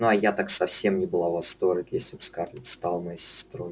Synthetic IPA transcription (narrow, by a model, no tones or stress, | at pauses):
nuɐjat̪aksɐfsʲe̞mnʲɪbɨlˠavɐst̪oɾʲɨkjesʲlʲɪbskʲlʲɪpst̪alˠmɐjisʲɪst̪ɾoj